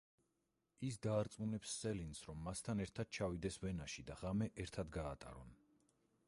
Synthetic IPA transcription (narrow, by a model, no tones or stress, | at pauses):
isd̪aːɾt̪sʼmunɛpsːɛlinsɾɔmːast̪ʰanɛɾt̪ʰad̪̥̚t͡ʃʰavid̪ɛsvɛnaʃid̪aʁamɛʔɛɾt̪ʰad̪ɡaːt̪ʼa̰ɾɔn